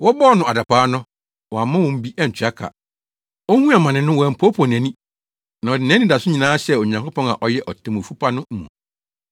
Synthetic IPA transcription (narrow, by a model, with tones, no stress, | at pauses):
wɔ˦bɔː˦nʊ̃˨a˨da˨paː˨˦nʊ̃˦ | wɔ˨a˨mã˦wɔ̃˨m̩˦bi˦ʔɛ˦n̩˨t͡ɕʰɥa˦kʰa̰˨ | o˦hũ˦a˨mã˨nɪ̃˨nʊ̃˦wɔ˨ɛ˨m̩˨pʰo˦pʰɔ̃˨n˨ɛ̃˨nĩ˦ | nã˨ɔ˨dɪ˨nɛ̃˦ĩ˦da˨sʊ˦ɲĩ˨nãː˦ɕɛ˦o˨ɲã˨ŋko˦pɔ̃˦na̰˨ʔɔ˨jɛ˦ʔɔ˨tʰɛ̃˨mũ˨fu˦pʰa˦nʊ̃˦m̩˨mṵ̃˨